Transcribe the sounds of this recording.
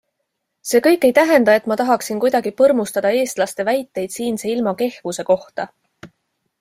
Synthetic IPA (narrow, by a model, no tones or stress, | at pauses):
se̞ːkɤ̞jkːˑe̞jt̪æɦe̞nd̪̥ɑe̞t̪ːˑmɑt̪ɑɦɑksinkujd̪̥ɑɡ̥ipɤrmust̪ɑd̪̥ɑe̞ːst̪lɑst̪e̞væjt̪ˑːe̞jd̪̥siːnseilmɑke̞hv̥use̞ko̞ht̪ɑ